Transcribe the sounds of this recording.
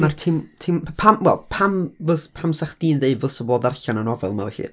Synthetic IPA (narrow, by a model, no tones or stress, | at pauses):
martʰɪmtʰɪmpʰamwɛ̰lˠpʰamvɨspʰamsaχd̥iːnðeɨvʊsəboːdarɬananɔvɛ̰lˠma̰wɬḭ